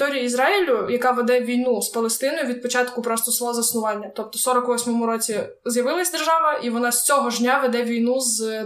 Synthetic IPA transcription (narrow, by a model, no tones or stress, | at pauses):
t̪ɔɾʲijiizɾɑɪlʲʊjɐkɑʋed̪ɛʋʲijnuspɐlˠest̪ɪnɔjʊʋʲid̪̚pɔt͡ʃɑt̪kʊpɾɔst̪ɔsˠɔzɐsnʊʋɑnʲːɐt̪ɔp̚t̪ɔsɔɾɔkʋɔsʲmɔmʊɾɔt͡sʲi | zjɐʋɪlˠɐsʲd̪erʒɑʋɐʔiʋɔnɑsʲt͡sʲɔɦɔʒnʲaʋed̪ɛʋʲijnuz